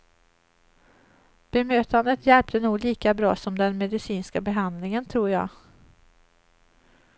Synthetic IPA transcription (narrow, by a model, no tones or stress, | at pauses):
b̥ɛmøːt̪and̪ət̪jɛlp̚t̪ʰənuːɡliːkabɾɑːsɔmd̪ɛnmɛd̪ɪsiːnskabɛɦand̪lɪŋənt̪ʰɾuːɾjɑ̰ːɡ